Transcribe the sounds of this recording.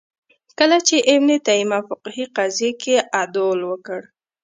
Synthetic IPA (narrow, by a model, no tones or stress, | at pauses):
kəlat͡ʃeʔɪmnet̪aimafʊqhiqazjekeʔad̪olwəkəɽ